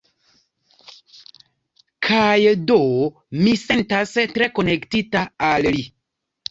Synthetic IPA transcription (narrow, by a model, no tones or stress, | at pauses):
kʰajdo | mise̞ntastɾe̞ko̞ne̞ktitaalli